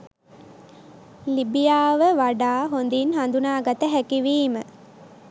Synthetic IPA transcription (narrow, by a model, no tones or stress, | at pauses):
libijaːʋəʋaɖaːɦond̪inɦand̪unaːɡat̪əɦækiʋiːmə